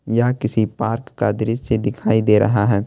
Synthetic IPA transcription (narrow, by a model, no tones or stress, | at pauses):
jakɪsipaːɾkːad̪ɪɾɪssed̪ɪkʰaːid̪eːɾʔɐ̰ɦaɦɛː